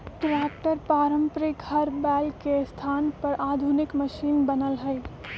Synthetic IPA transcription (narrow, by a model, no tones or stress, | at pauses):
ʈɾɛːk̚ʈəɾpaːɾə̃mpɾɪkhɐɾbɛːlkest̪ʰaːnpɐɾʔaːd̪ʱʊnɪkməʃiːnbənəlɦəj